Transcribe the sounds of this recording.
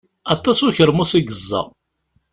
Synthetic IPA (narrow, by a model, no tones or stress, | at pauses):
ɑt̪ˤːɑsʊçəɾmʊsiɡəzˤːɑ̰